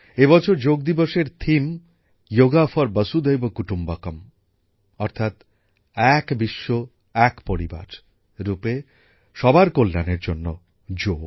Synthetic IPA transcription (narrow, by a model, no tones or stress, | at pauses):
ebɔt͡ɕʰoɾd͡ʑoɡ̚d̪iboʃeɾt̪ʰim | joɡafɔɾbəsud̪ejbokuʈumbakom | ɔɾt̪ʰat̪ | ɛkbiʃːo | ɛkpoɾiba̰ɾ | ɾupe | ʃɔbaɾkolːaneɾd͡ʑonːo | d͡ʑoɡ